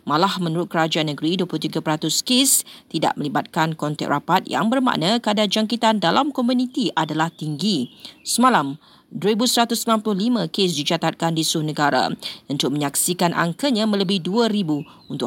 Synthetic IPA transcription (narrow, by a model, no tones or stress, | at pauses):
mãlahmə̃nuɾʊt̪̚kəɾad͡ʒaanːəɡɾiduəplʊht̪iɡapɾat̪ʊskest̪ida̰ʔ̚mə̃libat̪̚kankɔnt̪ɛ̰k̚rapat̪̚ja̰ŋbərmã̰ʔnãkəadad͡ʒaŋkit̪andalamkɔmunit̪iʔadalaht̪iŋɡisəmãlam | duəɾibusɾat̪ʊsəmilanplʊhlimãkes̬dit͡ʃat̪at̪̚kandisʊhnəɡaɾa̰unt̪ʊk̚mə̃ɲak̚sikanʔa̰ŋkəɲãmə̃ləbɪhduəɾibu | unt̪ʊ